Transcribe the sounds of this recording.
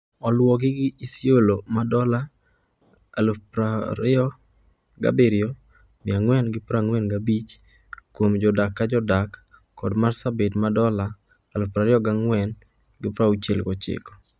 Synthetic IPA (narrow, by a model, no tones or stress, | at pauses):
ɔlwɔkɪɡɪisiolomadɔla | alpɾaɾɪɔ | ɡa̰beɾɪɔ | mɪaŋwɛnɡɪpɾaŋwɛnɡabit͡ʃ | kwomd͡ʒɔdakːad͡ʒɔdakː | ɔdmarsabetmadɔlaː | lʊpɾaɾɪɔɡaŋwɛn | ɡɪpɾaut͡ʃelɡɔt͡ʃɪ̰kɔ̥